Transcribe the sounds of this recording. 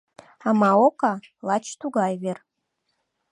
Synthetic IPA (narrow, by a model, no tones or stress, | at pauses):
amaokɑlɑt͡ʃʰt̪uɡɑjver